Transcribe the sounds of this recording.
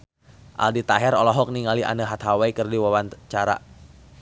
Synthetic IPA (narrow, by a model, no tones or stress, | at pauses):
ʔa̰ldit̪aɦɛɾɔlɔɦɔk̚niŋaliʔa̰nəɦat̪ɦawaikɨrdiwawant͡ʃaɾa̰